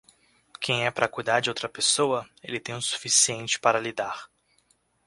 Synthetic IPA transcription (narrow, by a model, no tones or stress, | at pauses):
kʰẽj̃ɛpaɾɐkujd̪aɾd͡ʒɪowt̪ɾɐpesowɐelɪt̪ẽj̃ʊ̃su̥fisiẽnt͡ʃɪ̥paɾɐlid̪aɾ